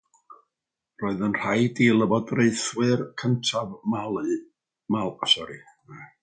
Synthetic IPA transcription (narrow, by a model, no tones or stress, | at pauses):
rɔːɨðənr̥ajdiːlˠəbɔdreɨθwɨrkʰəntʰavmalˠɨ | malˠasɔɾi